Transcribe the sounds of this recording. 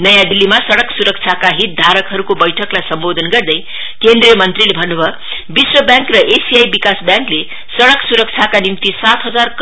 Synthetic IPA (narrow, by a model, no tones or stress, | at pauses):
nʌjãd̪ilːimasʌɽʌksuɾʌk̚t͡sʰakaɦit̪̚d̪ʱaɾʌkɦʌɾukobʌjʈʰʌklajsʌmbod̪ʱʌnɡʌrd̪ʌj | kend̪rijʌmʌnt̪rilebʱʌnːubʱʌ | biswʌbjãŋkrʌʔesijajbikasbjãŋkle | sʌɽʌksuɾʌk̚t͡sʰakanimt̪isat̪ɦʌd͡zark